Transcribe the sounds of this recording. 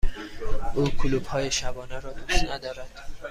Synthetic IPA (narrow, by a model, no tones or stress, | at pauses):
ʔuːkʰuluːbhɒːjeʃæbɒːneɾɒːd̪uʃt̪næd̪ɒːɾæd̪̥